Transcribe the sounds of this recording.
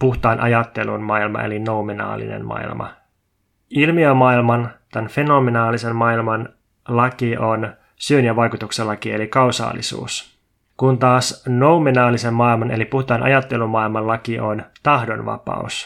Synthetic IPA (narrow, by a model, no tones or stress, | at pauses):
puht̪ɑinʔɑjɑt̪ːe̞lunmɑilmɑ̰ʔe̞̰linoumenɑ̰ːlːḭnḛnmɑ̰ḭlmʔɑ̰ | ilmiømːɑilmɑnt̪ænfe̞no̞menɑːlise̞mmɑilmɑn | lɑkiʔo̞n | syønjæʋɑjkut̪ukselːɑkie̞likɑwsɑ̰ːlːḭsṵːs | kunt̪ɑːsno̞umenɑːlise̞mmɑilmɑne̞lipuht̪ɑinʔɑ̰jɑt̪ːe̞lumːɑilmɑllɑkiʔo̞nt̪ɑhdo̞nʋɑ̰pɑ̰ṵs